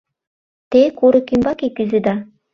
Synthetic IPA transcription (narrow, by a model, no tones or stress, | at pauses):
t̪ekuɾɤkimbɑkekyzɘd̪ɑ